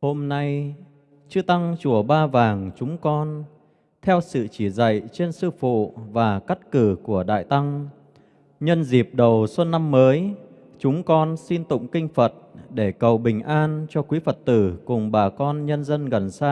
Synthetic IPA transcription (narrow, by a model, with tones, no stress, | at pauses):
ho˧mna˧j | t͡ɕɨ˧t̪a˧ŋt͡ɕu˧˩əɓaː˧vaː˨˩ŋt͡ɕʊ˨˦ŋ͡mkɔ˧n | t̪ʰɛ˧wsɨ̰˧˨t͡ɕi˧˩za̰˧˨jt͡ɕe˧nsɨ˧fṵ˧˨vaː˨˩kə˦˥t̚kɨ˧˩ku˧˩əɗa̰ː˧˨jt̪a˧ŋ | ɲə˧nzi˨˩p̚ɗə˨˩wsə˧nːa˧mːəː˨˦j | t͡ɕʊ˨˦ŋ͡mkɔ˧nsi˧nt̪ʊ̰˧˨ŋ͡mkï˧ŋ̟fə˨˩t̚ɗe˧˩kə˨˩wɓï˨˩ŋ̟ʔaː˧nt͡ɕɔ˧kwi˨˦fə˨˩t̚t̪ɨ˧˩kʊ˨˩ŋ͡mɓaː˨˩kɔ˧nɲə˧nzə˧nɣə˨˩nsaː˧